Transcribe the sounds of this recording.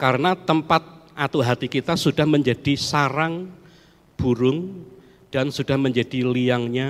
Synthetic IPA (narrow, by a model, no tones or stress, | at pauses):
kaɾənat̪əmpat̪̚ʔat̪uɦat̪ikit̪asudahməɲd͡ʒad̥isaɾaŋ | b̥uɾʊŋ | d̥ansud̥ahməɲd͡ʒad̥iliaŋɲa